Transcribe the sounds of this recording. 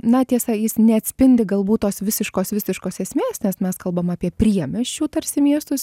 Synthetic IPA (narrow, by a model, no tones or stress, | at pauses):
nɐt̪ʲiɛsɐjɪsnʲɛɐt̪ʲsʲpʲɪnʲd̪ʲɪɡɐlˠbuːt̪tːoːsʋʲɪsʲɪʃkoːsʋʲɪsʲɪʃkoːsɛsʲmʲeːsnʲɛsmʲɛskɐlˠbɐmɑːpʲiɛpʲɾʲiɛmʲɛʃʲt͡ʃʲuːt̪ɐɾʲsʲɪmʲiɛst̪ʊs